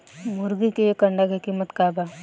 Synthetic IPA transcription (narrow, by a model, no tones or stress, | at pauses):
mʊɾɡikejekəɳɖakekimət̪kaːba